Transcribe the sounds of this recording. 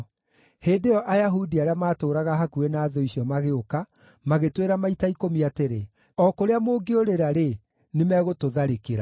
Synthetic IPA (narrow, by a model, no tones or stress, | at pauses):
heːdeɔʔajaɦudiaɾeamaːtoːɾaɣaɦakuenaːðɔiɕiɔmaɣeoka | maɣetweɾamaitaikomiateɾe | ɔkoɾeamoːɡeoɾeɾaɾe | nemɛːɣotoðaɾekeɾa